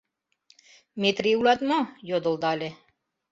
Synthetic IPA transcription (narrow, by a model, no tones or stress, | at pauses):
met̪riulat̪mojod̪olˠd̪ɑlʲe